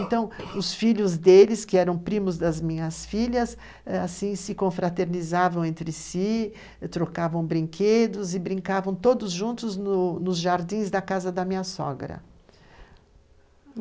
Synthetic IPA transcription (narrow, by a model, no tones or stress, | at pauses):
ẽnt̪ɐ̃w̃ʊsfiʎʊzd̪elɪskɪɛɾɐ̃w̃pɾĩmʊzd̪ɐzmĩɲɐsfiʎɐs | asĩsɪkõfɾat̪eɾnizavɐ̃w̃ẽnt̪ɾɪsi | t̪ɾokavɐ̃w̃bɾĩŋkʰed̪ʊzɪbɾĩŋkavɐ̃w̃t̪od̪ʊzʒũnt̪ʊznʊnʊzʒaɾd̪ĩzd̪ɐkazɐd̪ɐmĩɲɐsɔ̰ɡɾɐ̰